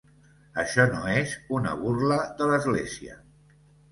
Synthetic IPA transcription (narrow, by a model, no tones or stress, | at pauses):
əʃɔnoezunə̰βurləðələzɣleziə̰